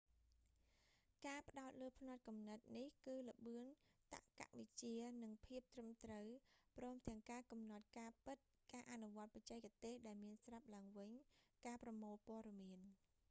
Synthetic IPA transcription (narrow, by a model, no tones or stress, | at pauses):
kaːpə̆ɗaɔt̪̚ləːpʰnat̪̚kumnɨt̪̚nihkɨːlə̆ɓɨənt̪a̰ʔka̰ʔʋɨc̚t͡ɕiənɨŋpʰiəp̚t̪rɨmt̪rəwprɔːmt̪ɛ̆əŋkaːkɑmnɑt̪̚kaːpɨt̪̚ | kaːʔanuʋŏət̪̚pɑc̚t͡ɕɛɛk̚ːt̪eːhɗaɛlmiənsrap̚laəŋʋɨɲkaːprɑmoːlpoəɗɑmiən